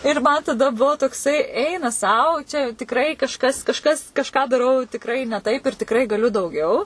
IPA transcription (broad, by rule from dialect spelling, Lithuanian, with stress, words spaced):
ɪr ˈmɐn tɐˈdɐ ˈbʊʋoː toːkˈsɐɪ ˈɛɪnɐ ˈsɐʊ t͡ʃʲɛ jɛʊ tʲɪkˈrɐɪ kɐʃˈkɐs kɐʃˈkɐs kɐʃˈkɑː dɐˈrɐʊ tʲɪkˈrɐɪ nʲɛ ˈtɐɪp ɪr tʲɪkˈrɐɪ ɡɐˈlʲʊ dɐʊˈɡʲɛʊ